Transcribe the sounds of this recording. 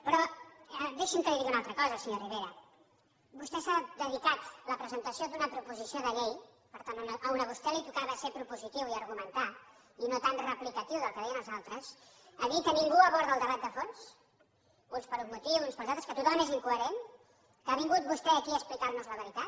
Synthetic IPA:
pɾɔəd̪eʃiŋkəliðiɣiunalˠt̪ɾəkɔzəsəɲoriβeɾə | bust̪ɛsad̪əðikat̪ləpɾəzənt̪əsiod̪unəpɾupuzisioðəʎej | pəɾt̪annʔəunəβust̪ɛlit̪ukaβasepɾupuzit̪iwiəɾɣumənt̪a | inot̪anrəplikət̪iwðəlˠkəðɛjənəlˠzalˠt̪ɾəz | aðikəniŋɡuəβɔɾðəlˠd̪əβat̪̚d̪əfons | unspəɾumut̪iwunspəlˠzalˠt̪ɾəskət̪ut̪ɔmeziŋkuəɾen | kəaβiŋɡut̪̚bust̪ɛːkiəsplikarnuzləβəɾit̪at̪

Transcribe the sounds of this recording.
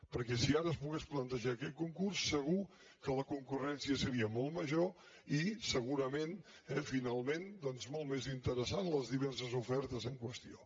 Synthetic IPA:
pəɾkɛsiaɾəːspuɣɛsplənt̪əʒaːkɛt̪̚kuŋkursːəɣ̞u | kələkuŋkurɛnsiəsəɾiəmɔlˠtməʒo | isəɣuɾəmen | ɛfinalˠmend̪ɔnzmɔlˠt̪mezint̪əɾəsanləzðiβ̞ɛrs̬əzufɛɾt̪əzəŋkwəst̪io̰

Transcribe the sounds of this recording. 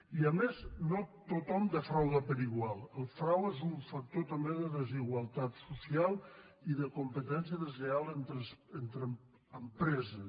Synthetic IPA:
iəmeznot̪ot̪ɔmd̪əfɾawðəpəɾiɣwalˠəlˠfɾawezuɱfək̚t̪ot̪əmbeðəðəziɣwəlˠt̪at̪susialˠ | iðəkumpət̪ɛnsijəðəzlealˠent̪ɾəsent̪ɾə | əmpɾɛzə

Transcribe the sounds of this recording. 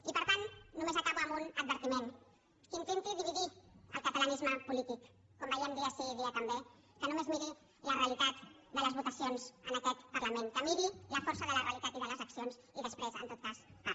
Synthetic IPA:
ipəɾt̪anːumezəkaβuːmbunəd̪̚βəɾt̪imen | kint̪ent̪iðiβiðiə̰lˠkət̪ələnizməpulit̪ikː | ombɛʎɛmd̪iəseðiət̪əmbe | kənumezmiɾi | ləreəlit̪at̪ | d̪ələzβut̪əsionzənəkɛt̪pəɾləmenkəmiɾiləfɔɾsəðələreəlit̪at̪iðələzəksions | iðəspɾezə̰nt̪ot̪̚kasa

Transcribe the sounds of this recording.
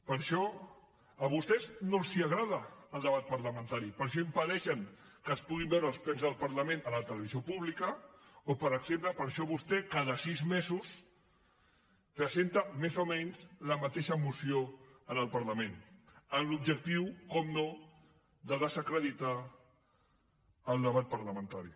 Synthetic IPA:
pəɾʃɔ | əβust̪ɛznosiəɣɾaðəːlˠd̪əβ̞at̪̚pɐɾləmə̃nt̪aɾipəɾʃ̬ɔimpəðɛʃəŋkəspuɣimbɛwɾəlˠspɛnzðəlˠpəɾləmẽnələt̪ələβizijopuβlikəopəɾəksempləpəɾʃɔβust̪ɛkaðəsizmezus | rəsent̪əmezomɛɲzləmət̪eʃəmusioənəlˠpɐɾləmenənlub̚d͡ʒək̚t̪iwkɔmno | ðəðəzəkɾəðit̪a | əlˠd̪əβat̪̚pɐɾləmə̃nt̪aɾi

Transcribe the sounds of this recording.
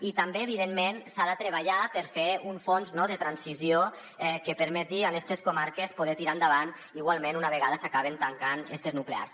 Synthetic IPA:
it̪ambeːβiðenmensaðat̪ɾeβaʎapeɾfeuɱfonznɔðet̪ɾansizio | ɛkepeɾmɛt̪ialɛst̪eskomaɾkespoð̞ɛt̪iɾand̪aβan | iɣwalˠmẽnunaβeɣ̞aðəsakaβ̞ent̪aŋkanɛ̰st̪eznuklea̰ɾs

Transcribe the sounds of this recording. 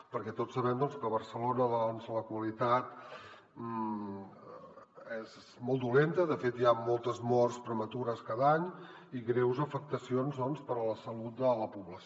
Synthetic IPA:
pəɾkɛt̪osːəβɛmd̪ɔnskəβərsəlonəðɔnzələkwəlit̪at̪ | ez | mɔlˠd̪ulent̪əðəfet̪jamɔlˠt̪əzmɔrspɾəmət̪uɾəskaðaɲ | iɣɾɛwzəfək̚t̪əsionzðɔnspəɾələsəlut̪̚d̪ələpuβləs

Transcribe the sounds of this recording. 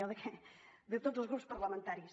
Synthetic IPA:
aðɐkd̪ɨt̪od̪uzuzɣɾupu̥spɐɾlˠɐmẽnt̪aɾjus

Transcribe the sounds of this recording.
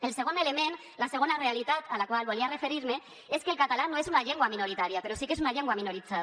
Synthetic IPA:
e̞lse̞ɣ̞oneleme̞n | lase̞ɣ̞onare̞alit̪at̪alakoalβo̞liare̞fe̞ɾiɾme̞ | eskelkat̪alanoesunaʎeŋɡoamino̞ɾit̪aɾiape̞ɾo̞sike̞sunaʎeŋɡoamino̞ɾit͡sa

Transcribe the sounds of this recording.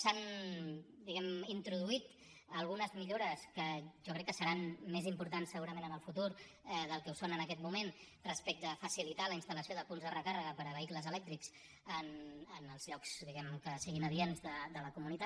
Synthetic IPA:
san | d̪iɣɛmint̪ɾuðuit̪ | əlˠɣ̞unəzmiʎoɾəskəʒɔkɾɛkːəsəɾanmezimpuɾt̪ansəɣuɾəmẽnənəlˠfut̪uɾ | ðəlˠkɛusonənəkɛt̪̚mumen | rəspɛk̚t̪əfəsilit̪aləinst̪ələsioðəpunzðərəkarəɣəpəɾəβəikləzəlɛk̚t̪ɾiks | ənənəlˠzʎɔkz̥ðiɣɛmkəsiɣinəðienzðəd̪ələkumunit̪a

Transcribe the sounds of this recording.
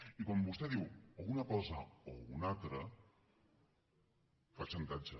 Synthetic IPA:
ikwɔmbust̪ɛðiwounɐkɔzəounalt̪ɾə | fat͡ʃəŋk̪ad͡ʒə

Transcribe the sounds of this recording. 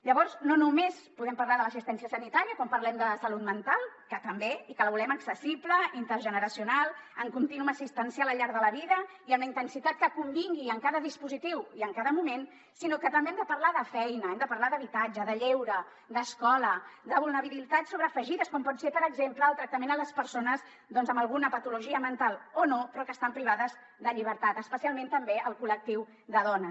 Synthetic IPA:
ʎəβɔɾznonumespuðɛmpəɾlaðələsist̪ɛnsiəsənit̪aɾiəkɔmpəɾlɛmd̪əsəlut̪mənt̪alˠkət̪əmbeikələβulɛməksəsipləint̪əɾʒənəɾəsiunalˠəŋkunt̪inunəsist̪ɛnsjaələʎːaɾðələβiðəiəmləint̪ənsit̪at̪̚kəkumbiŋɡiəŋkaðəðispuzit̪iwiəŋkaðəmumen | sinokət̪əmbeɛmd̪əpəɾlaðəfɛjnəɛmd̪əpəɾlaðəβit̪ad͡ʒəðəʎewɾə | d̪əskɔləd̪əβulˠnəβililit̪at̪soβɾəːfəʒiðəskɔmpɔtsepəɾəɡzempləːlˠt̪ɾək̚t̪əmẽnələspəɾsonəz | ðɔnzəməlˠɣunəpət̪uluʒiəmənt̪alˠonopɾɔkəst̪ampɾiβ̞aðəz | d̪əʎiβ̞əɾt̪at̪əspəsialˠmẽnt̪əmbeəlˠkulək̚t̪iw | ðəðɔnə

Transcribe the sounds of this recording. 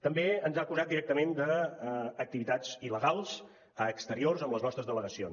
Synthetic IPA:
t̪əmbeənzakuzat̪̚d̪iɾɛk̚t̪əmend̪əː | k̚t̪iβit̪ad͡ziləɣalˠz | əːkst̪əɾiorzəmləznɔst̪ɾəzðələɣəsions

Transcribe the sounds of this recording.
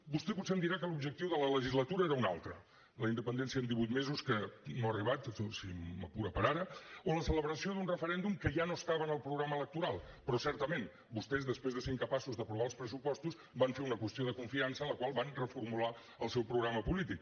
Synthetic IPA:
bust̪ɛput̪seəmd̪iɾakəlubʒək̚t̪iwðələləʒizlət̪uɾəeɾəuna̰lˠt̪ɾə | ləind̪əpənd̪ɛnsiəənd̪iβujt̪mezuskənoəriβat̪sosimmə̰puɾəpəɾaɾəoləsələβɾəsioðunrəfəɾɛnd̪umkəʒanoəst̪aβənəlˠpɾuɣɾamələk̚t̪uɾalˠpɾɔsɛɾt̪əmen | bust̪ɛzðəspɾezðəseɾŋkəpasuzðəpɾuβalˠspɾəsupɔst̪uz | baɱfeɾunəkwəst̪ijoðəkuɱfiansənləkwalˠβanrəfuɾmula | əlˠsɛwpɾuɣɾaməpulit̪ik

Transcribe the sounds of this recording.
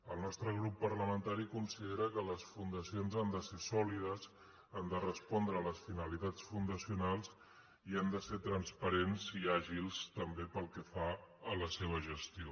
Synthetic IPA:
əlˠnɔst̪ɾəɣ̞ɾupːəɾləmənt̪aɾikunsiðeɾəkələsfund̪əsionzand̪əsesɔlið̞əs | and̪ərəspɔnd̪ɾəːləsfinəlit̪at͡sfund̪əsiunalˠs | iand̪əseɾt̪ɾənspəɾenziaʒilˠst̪əmbepəlˠkəfaələseβ̞əʒəst̪io

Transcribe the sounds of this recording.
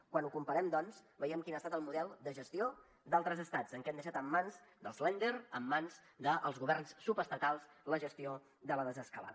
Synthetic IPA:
kwanukumpəɾɛmd̪ɔnsbəiɛmkinəast̪at̪əlˠmuðɛlˠd̪əʒəst̪io | d̪alˠt̪ɾəzəst̪ad͡zəŋkɛmd̪əʃat̪əmːanzd̪əlˠslɛnd̪eɾəmːanz | d̪əʔə̰lˠzɣuβɛrnsːupəst̪ət̪alˠsləʒəst̪io | d̪ələðəzəskəla̰ðə

